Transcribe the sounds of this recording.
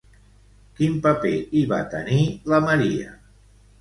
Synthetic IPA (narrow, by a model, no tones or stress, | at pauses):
kimpəpeiβa̰t̪əniləməɾiə̰